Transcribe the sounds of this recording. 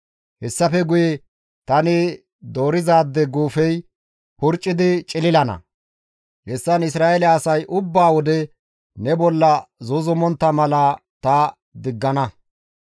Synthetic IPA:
hɛsːɐfɛɡʊjɛ | t̪ɐnɪ | d̪o̞ːɾɪzaːd̪ːɛɡuːfɛj | hʊɾt͡ʃʼːɪd̪ɪt͡ʃʼɪlɪlɐnɐ̰ | hɛsːɐnɪs̬ɾaːʔɛlɛːsɐjʔʊbːaːwɔd̪ɛ | nɛbɔlːɐzʊzʊmɔnt̪ːɐmɐlɐt̪ɐ | d̪ɪɡːɐnɐ

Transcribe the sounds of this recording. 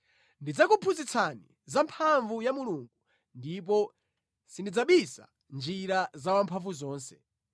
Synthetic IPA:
ndid͡zakupʰuzit͡sʰanḭ | zampʰaɱvujamuluŋɡu | ndip̬ɔ | sindid͡zaɓisa̰ | nd͡ʒiɾazawampʰaɱvuzɔːnsɛ̥

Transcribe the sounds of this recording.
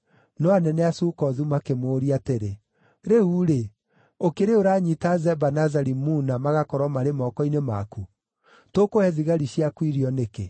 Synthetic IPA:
nɔanɛnɛasuːkɔðumakemoɾiateɾe | ɾeuɾe | okeɾeoɾaɲitazɛbanazaɾimunamaɣakɔɾɔmaɾemɔːkɔinemaku | tokohɛðiɣaɾiɕiakwiɾiɔneke

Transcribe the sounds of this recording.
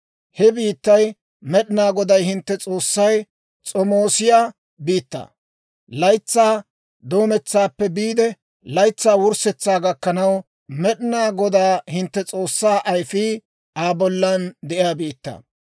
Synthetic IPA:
hɛbiːt̪ːɐj | mɛɗɪnaːɡɔd̪ɐjhɪnt̪ːɛt͡sʼo̞ːsːɐj | t͡sʼɔmoːsɪjaː | biːt̪ːɐ̰ | lɐjt͡sːaː | d̪o̞ːmɛt͡sːaːpːɛbiːd̪ɛ | lɐjt͡sːaːwʊɾsɛt͡sːaːɡɐkːɐnɐw | mɛɗɪnaːɡɔd̪aːhɪnt̪ːɛt͡sʼoːsːaːʔɐjfiː | aːbɔlːɐnd̪ɛʔɪjaːbiːt̪ːɐ̰

